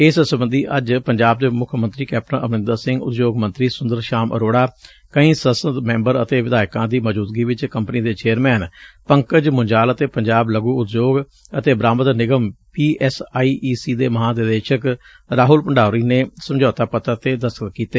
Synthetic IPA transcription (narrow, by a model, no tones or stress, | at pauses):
ɪssəbənd̪iːʔəd͡ʒpəɲd͡ʒaːb̚d̪eːmʊkʰmə̃nt̪ɾiːkɛːp̚ʈənə̰mnɪ̃nd̪əɾsɪ̃ŋɡʊ̰t̪joːɡmə̃nt̪ɾiːsʊ̃nd̪əɾʃaːmʔə̰ɾoːɽaː | kəĩːsəsəd̪mɛ̃ːmbəɾət̪eːʋɪd̪aːjkãːd̪iːməd͡ʒuːt̪̚ɡiːʋɪt͡ʃkəmpniːd̪eːt͡ʃeːəɾmɛːnpəŋkəd͡ʒmʊɲd͡ʒaːlət̪eːpəɲd͡ʒaːbləɡuːʊt̪d͡ʒoːɡ | ət̪eːbɾaːmət̪nɪɡəmpiːʔɛːsaːiːʔiːsiːd̪eːməɦãːd̪ɪd̪eːʃək | ɾaːɦʊlpəɳɖaːɾiːneːsəmd͡ʒɔːt̪aːpət̪əɾt̪eːd̪əskətkiːt̪eː